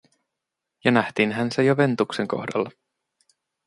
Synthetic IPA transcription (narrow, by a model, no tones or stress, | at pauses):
jɑnæht̪iːnɦænsejoʋe̞nt̪ukseŋko̞̰hdɑlːɑ